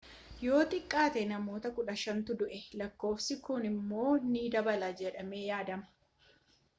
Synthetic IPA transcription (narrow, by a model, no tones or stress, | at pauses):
jo̞ːt̪ʼɪkʼːaːt̪ɛnɐmo̞ːt̪ɐkʊᶑɐʃɐnt̪ʊd̪ʊʔɛlɐkːo̞ːfsɪkʊnɪmːo̞ːniːd̪ɐbɐlaːd͡ʒɛᶑɐme̞ːjaːd̪ɐmɐ̥